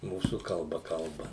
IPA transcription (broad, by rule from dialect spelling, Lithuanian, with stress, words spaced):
ˈmuːsuː kɐlˠˈbɐ ˈkɐlˠbɐ